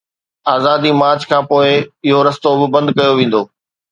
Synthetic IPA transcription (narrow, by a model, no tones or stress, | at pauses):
aːzaːd̪imaːɾd͡ʑkʰãːpoːɪɪɦoɾɐst̪obɪbɐ̃nd̪kɐjoʋẽːn̆d̪oː